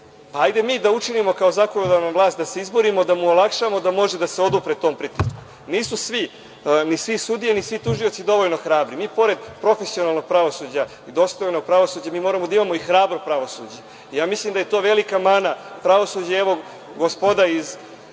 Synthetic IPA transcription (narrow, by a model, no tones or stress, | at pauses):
paajd̪e̞miːd̪aut͡ʂinimo̞kaozako̞nod̪anaʋlˠaːst̪d̪ase̞izbo̞ɾimo̞d̪amuolˠakʃamo̞d̪amo̞ʒed̪aseo̞d̪upɾet̪o̞ːmpɾit̪isku̥ | niːsusʋi | nisʋisud̪ijenisʋit̪uʒio̞t̪sid̪o̞ʋoʎno̞xɾaːbɾimiːpo̞ɾe̞d̪pɾo̞fesio̞nalno̞ɡ̚pɾaʋo̞suːd͡ʑa | id̪o̞st̪ojno̞ɡ̚pɾaʋo̞suːd͡ʑamiːmo̞ːɾamod̪aimamo̞ixɾaːbɾopɾaʋo̞sṵd͡ʑe | ijaːmislimd̪aje̞t̪o̞ːʋe̞likamanapɾaʋo̞sud͡ʑaeʋo̞ | ɡospod̪aiz